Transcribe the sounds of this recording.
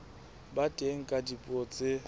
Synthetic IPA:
batʼeŋ̩kʼadipʼɔt͡sʼɪ

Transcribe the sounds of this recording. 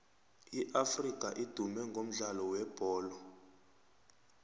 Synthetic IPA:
iʔafrikʼaʔid̥ʱumɛŋɡʱom̩ɮalɔwɛb̥ʱɔːlɔ

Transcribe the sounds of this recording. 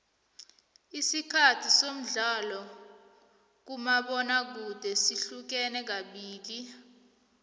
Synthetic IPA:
isikʰatʰisom̩ɮalɔ | k̬umaɓɔnak̬ud̥ʱɛsiɬuk̬ɛnɛk̬aɓiːk̬i

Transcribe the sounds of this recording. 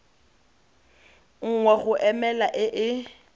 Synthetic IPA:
ŋ̩ŋwɛɣʊʔɛmɛlaʔɪʔɪ

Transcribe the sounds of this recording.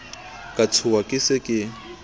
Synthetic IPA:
kʼat͡sʰʊwakʼɪsɪkʼɪ

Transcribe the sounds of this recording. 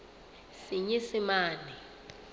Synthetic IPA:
siɲɛsimaːni

